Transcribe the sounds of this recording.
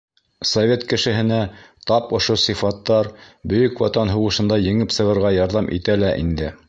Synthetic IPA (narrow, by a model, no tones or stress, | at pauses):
sovʲet̪kɘ̆ʃɘ̆ɦɘ̆næt̪ɑpŏʃosifɑt̪ːɑɾbɵ̆jɵkwɑt̪ɑnɦuwɤ̆ʃɤ̆nd̪ɑjɘ̆ŋɘpsɤ̆ʁɤ̆ɾʁɑjɑɾðɑmʔḭt̪ælæʔḭnd̪ɘ